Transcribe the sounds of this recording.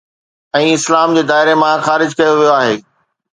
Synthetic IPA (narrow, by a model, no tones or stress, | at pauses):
ɛ̃ːɪslaːmd͡ʑeːd̪aːɪɾemãxaːɾɪd͡ʑkɐjoʋijoaːɦeː